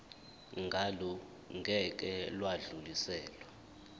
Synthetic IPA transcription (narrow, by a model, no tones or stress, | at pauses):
ŋɡʱalɔ | ŋʱɛk̬ʼɛlwaɮulisɛːlwa